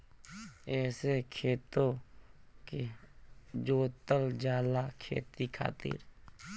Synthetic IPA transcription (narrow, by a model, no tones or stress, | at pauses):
ɛːsekʰeːt̪o | ke | d͡ʒoːt̪əld͡ʒaːlakʰḛːt̪ikʰa̰ːt̪ɪ̰ɾ